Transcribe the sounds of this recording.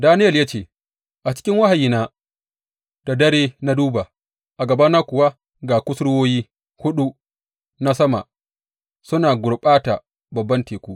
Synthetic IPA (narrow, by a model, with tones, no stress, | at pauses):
daː˦nɪ˦jɐ˨lja˦t͡ʃeː˦˨ | ʔa˨t͡ʃɪ̥˦kʲɪ˦ŋwa˦ha˨ji˨naː˦ | d̥a˨dɐ˦ɽeː˦na˦duː˦ba˨ | ʔa˨ɡɐ˨ba˦naː˦kʷʊ˨wa˦ | ɡaː˨kʷʊ˦sɽʊ˦woː˦jiː˦ | hʊ˦ɗu˦ | na˦sɐ˦ma̰˨ | sʊ˦naː˨ɡʷʊ˨ɽɓaː˦ta˨ | bɐ˨bːɐ˦nteː˨kʷuː˦